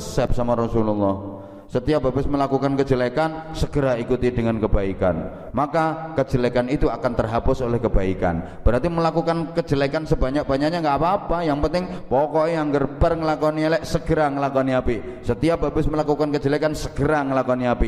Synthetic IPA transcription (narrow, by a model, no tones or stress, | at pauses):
sɛp̚samaɾɔsululˠːɔh | sət̪iababɪsməlakukankə̥d͡ʒəlekansəɡ̥əɾaikut̪idəŋankəbaika̰n | makakə̥d͡ʒ̥əlekanit̪uakant̪ərɦapʊsolɛhkəbaika̰n | b̥əɾart̪iməlakukankə̥d͡ʒəlekansəbaɲak̚b̥aɲaʔɲaŋɡaʔapaːpajaŋpənt̪ɪŋpɔkɔiaŋɡərpərŋəlakɔnielɛʔsəɡ̥əɾaŋəlakɔniapi | sət̪iab̥abɪsməlakukankə̥d͡ʒəlekansəɡ̥əɾaŋəlakɔniapi